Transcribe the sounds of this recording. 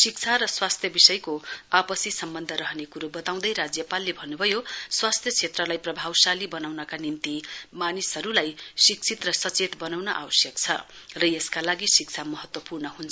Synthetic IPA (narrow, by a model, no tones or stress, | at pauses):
sik̚t͡sʰaɾʌswast̪ʰjʌbisʌjkoapʌsisʌmbʌnd̪ʱʌɾʌɦʌnekuɾubʌt̪aw̃d̪ʌjɾad͡zjʌpalːebʱʌnːubʱʌjoswast̪ʰjʌt͡sʰet̪rʌlajprʌbʱawsalibʌnawnʌkanimt̪imanisʌɾulajsik̚t͡sʰit̪rʌsʌt͡set̪bʌnawnʌʔa̰wʌsjʌkt͡sʰʌ̰rʌjeskalaɡisik̚t͡sʰamʌɦʌt̪wʌpurnʌɦunt͡sʰ